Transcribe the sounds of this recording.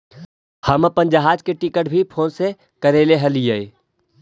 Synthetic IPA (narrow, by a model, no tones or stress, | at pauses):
həməpə̃nd͡ʒəɦaːd͡ʒkeʈikəʈbʱipʰoːnse | kəɾeleɦəlijəe